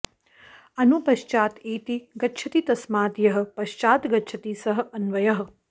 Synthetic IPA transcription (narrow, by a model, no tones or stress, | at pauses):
ɐnupɐʃt͡ʃaːt̪eːt̪iɡɐtːʃʰɐt̪it̪ɐsmaːt̪jɐɦɐ̆pɐʃt͡ʃaːt̪ɡɐtːʃʰɐt̪isɐɦɐ̆ɐnʋɐjɐɦɐ̆